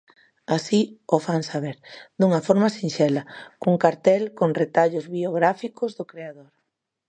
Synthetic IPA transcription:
asiofansaβ̞eɾd̪uŋɐfɔɾmasinʃɛlɐkuŋkaɾt̪ɛlkoŋret̪aʎʊzβioɣɾafikʊzðʊkɾeaðoɾ

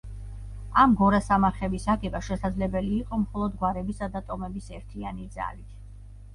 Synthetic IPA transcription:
amɡɔɾasamaɾχɛbisaɡɛbaʃɛsad̪zlɛbɛliːqʼɔmχɔlˠɔd̪ɡwaɾɛbisad̪at̪ʼɔmɛbisɛɾt̪ʰianid̪za̰lit̪ʰ

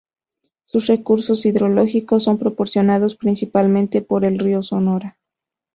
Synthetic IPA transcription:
susre̞kuɾso̞siðɾo̞lo̞xiko̞sːo̞mpɾopo̞ɾsjo̞naðospɾinsipalmẽ̞nt̪e̞po̞ɾe̞lrioso̞no̞ɾa

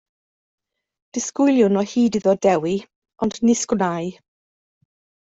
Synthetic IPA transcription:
d̥ɪskʊjlˠjʊnɔhiːdiðɔdɛwi | ɔndnɪsɡ̥wnaj

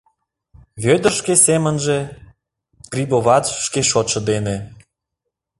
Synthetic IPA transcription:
βʲød̪ə̆rʃkesemə̆nʒĕ | ɡ̥rʲiboβɑt͡sʃkeʃot̪ʃɤ̆d̪ene

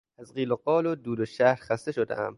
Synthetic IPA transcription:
æzɢiːloɢɒːlod̪uːloʃæhɾxæst̪eʃod̪ḛæm

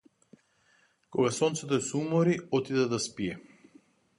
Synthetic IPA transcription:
kɔɡasɔnt̪sɛt̪ɔɛsumɔɾiɔt̪id̪ɛd̪aspiɛ

